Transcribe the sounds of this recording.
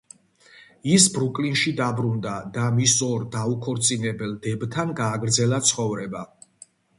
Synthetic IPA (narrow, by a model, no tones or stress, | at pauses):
isbɾukʼlinʃid̪abɾund̪ad̪amisɔɾd̪aukʰɔɾt̪sʼinɛbɛld̪ɛbt̪ʰanɡaːɡɾd̪zɛlat̪sʰχɔvɾɛba